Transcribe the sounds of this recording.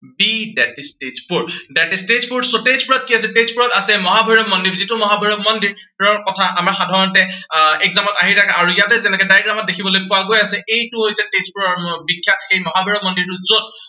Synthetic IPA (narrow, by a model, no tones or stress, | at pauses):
bidɛtistezpuɹdɛtistezpuɹsotezpuɹɔt̚kias̬ɛtezpuɹɔtasɛmɔɦabʱɔiɹɔb̚mɔndiɹzitʊmɔɦabʱɔiɹɔb̚mɔndiɹ | ɔɹkɔtʰaʔamaɹxadʱaɹɔntɛɛkzamɔtaɦitʰakaɹujatɛzɛnɛkɛdajɡɹamɔt̚dekʰibɔlojpʊaɡojasɛʔejtuɦojsɛtezpuɹɔɹbikʰːjatʰxejmɔɦabʱɔiɹɔmɔndiɹtuzod̚